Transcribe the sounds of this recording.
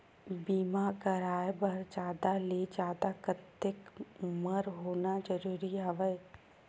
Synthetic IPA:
biːmakəɾaːjbəɾd͡ʒaːd̪aled͡ʒaːd̪akət̪ːɪkməɾɦoːnad͡ʒəɾuːɾiaʋəj

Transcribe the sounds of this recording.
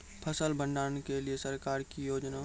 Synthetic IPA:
pʰəsəlbə̃ɳɖaːnkeliesəɾkaːɾkijoːd͡ʒna

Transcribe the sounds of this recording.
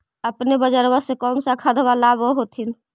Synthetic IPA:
əpnebəd͡ʒəɾbəsekɔːnsakʰəd̪ʱʋalaboɦot̪in

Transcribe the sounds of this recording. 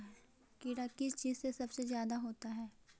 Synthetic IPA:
kiɽakɪst͡ʃiːzsesɐbsezjaːd̪aɦoːt̪aɦɛː

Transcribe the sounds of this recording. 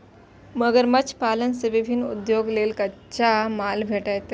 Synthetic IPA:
məɡəɾmət͡ɕpalənseʋibʱinṵd̪joɡleːlkə | t͡ɕamalbʱeʈat̪

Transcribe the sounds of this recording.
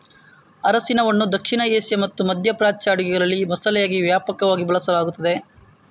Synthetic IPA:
ɐɾɐsinɐʋɐnːud̪ɐkʂiɳɐeːsjɐmɐt̪ːumɐd̪ʱjɐpɾaːt͡ʃaːɽuɡɛɡɐɭɐlːimɐsɐlɛjaːɡiʋjaːpɐkɐʋaːɡibɐɭɐsɐlaːɡut̪ːɐd̪e

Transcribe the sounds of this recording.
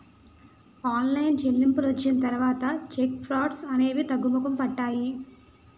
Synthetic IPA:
aːnlɐjnt͡ʃelːimpulʋɐt͡ʃːinɐt̪ɐɾuʋaːt̪ɐt͡ʃek̚pʰɾaːɖsɐne̞ːʋit̪ɐɡːumɐkɐmpɐʈːaːji

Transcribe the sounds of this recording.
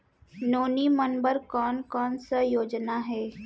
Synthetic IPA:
noːnimənbəɾkɔːnkɔːnsajoːd͡ʒnaɦɛː

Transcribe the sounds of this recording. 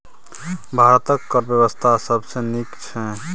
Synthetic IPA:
bʱaɾət̪əkːəɾbjəwəst̪ʰasəbʱsẽnikt͡ʃʰɛ

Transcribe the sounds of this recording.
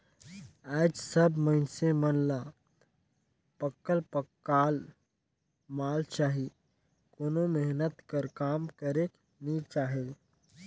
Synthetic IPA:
aːd͡ʒsəbməɪnsemənla | pəkːəlpəkːaːl | maːlt͡ʃaːɦi | koːnomeɦnət̪kəɾkaːmkəɾek | nit͡ʃaːɦe

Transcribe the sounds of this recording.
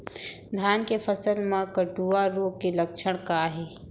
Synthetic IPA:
d̪ʱjaːnkepʰəsəlmãkəʈuːaɾoːɡ̚kelək̚ʃʰəɽ̃kaɦeː

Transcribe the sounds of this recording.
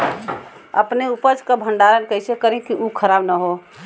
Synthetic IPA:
ə̰pneupət͡ʃkəbʱəɳɖaɾənkəɦsekəɾẽkiʔukʰəɾabnəɦo

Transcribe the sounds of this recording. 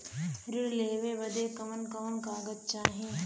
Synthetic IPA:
ɾɪɽleːʋebɐd̪eːkɐmənkɐʋənkaːɡət̪̚t͡ʃaːɦẽː

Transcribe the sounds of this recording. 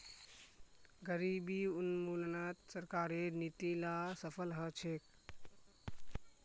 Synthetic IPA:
ɡəɾibiunmuːnnat̪səɾkaːɾenit̪ilasəpʰəlɦət͡ʃʰek

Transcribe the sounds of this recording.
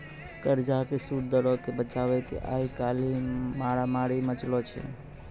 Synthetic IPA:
kəɾd͡ʒakesudd̪əɾɔkebət͡ʃabɛkḛʔa̰ikalimaɽamaɽimət͡ʃlɔt͡ʃʰɛ̰

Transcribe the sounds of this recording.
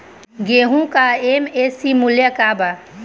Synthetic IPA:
ɡeɦũkaemesimʊljəkaba

